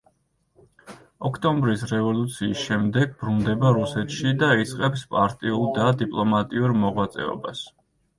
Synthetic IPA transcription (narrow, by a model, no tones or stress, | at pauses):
ɔkʰt̪ʼɔmbɾisɾɛvɔlut̪sʰiːsʃɛmd̪ɛɡ̚bɾund̪ɛbaɾusɛt̪ʃid̪ait̪sʼqʼɛpspʼaɾt̪ʼiulˠd̪ad̪ipʼlˠɔmat̪ʼiuɾmɔʁwat̪sʼɛ̰ɔ̰bas